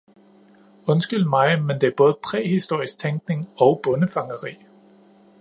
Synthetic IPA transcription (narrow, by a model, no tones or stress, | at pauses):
ɔ̽nsɡ̥ylmɑ̈ɪmend̥e̝æɐb̥ɔ̽ːð̞̩ˠpʰʁɛ̰ɦisd̥o̝ɐ̰isɡ̥̚t͡sʰeŋɡ̥ne̝ŋɒ̽ʊb̥ɔ̽nəfɑ̈ŋəʁḭː